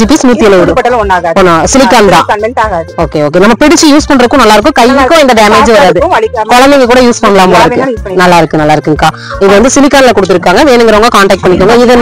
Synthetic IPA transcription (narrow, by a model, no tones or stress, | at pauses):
d͡ʒiːpismuːt̪ːɪjɐleʋɪɽɯpoːnːãːsɪlɪkːaːnt̪ãːoːkeoːk̬enɐmːɐpɪɽɪt͡ʃːɯjuːspɐɳːɾɯkːʊ̃nɐlːaːɪɾɯkːʊ̃kɐjʋɯkːʊ̃ɛnd̪ɐɖeːmeːd͡ʒʋɐɾaːðɯkɔɭɐnd̪ɪŋɡɐk̬uːɽɐjuːspɐɳːɐlaːmpoːɽɪɾɯkːɯnɐlːaːɪɾɯkːɯnɐlːaːɪɾɯkːɯŋkaː | ɪðɐʋɐnd̪ɯsɪlɪkːaːnlɐkɔɽɯt̪ːɪɾɯkːaːŋɡɐʋeːnɯŋɡɪɾɐʋɐŋɡɐkaːɳʈɐːk̚ʈ̚pɐɳːɪkːuːŋɡɐɪðɛn